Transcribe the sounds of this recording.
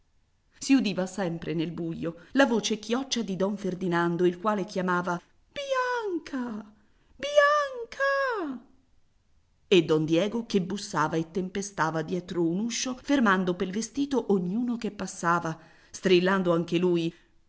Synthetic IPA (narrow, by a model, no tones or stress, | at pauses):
siud̪iːvasɛmpɾʔenelbujːolavoːt͡ʃekjɔt͡ʃːad̪id̪ɔɱferd̪inand̪oilkwaːlekjamaːva | b̥jaŋkʰa | bjaŋkʰa | ed̪ːɔnd̪jɛːɡokebusːaːvaet̪ːempest̪aːvad̪jɛːt̪ɾounuʃːofermand̪opelvest̪iːt̪oʔoɲːuːnokepːasːaːva | st̪ɾilːand̪oaŋkeluːj